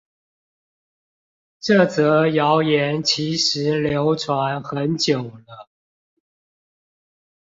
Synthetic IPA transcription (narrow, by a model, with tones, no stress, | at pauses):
ʈ͡ʂɤ˥˩t͡sɤ˨˧˥jɑ˨˦ʊjɛ˨˦nt͡ɕʰi˧˥ʂɻ̩˧˨˦ljo˨˦˥ʊʈ͡ʂʰwa˧˦nxə˨˦nt͡ɕjo˨˩ʊlə˦